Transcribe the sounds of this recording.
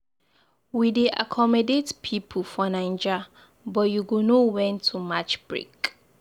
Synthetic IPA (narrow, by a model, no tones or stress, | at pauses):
wideʔa̰kʰɔmɔdetpʰipʰufɔnãɪ̃nd͡ʒa | bɔjuɡonowɛ̃ntʰumat͡ʃb̥ɹḛk